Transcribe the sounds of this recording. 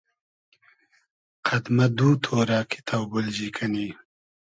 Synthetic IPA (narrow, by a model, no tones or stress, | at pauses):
qʰɐd̪mɐd̪uːt̪ʰoːɾɑːkʰi̥t̪ʰawbʊld͡ʑiːkʰɐniː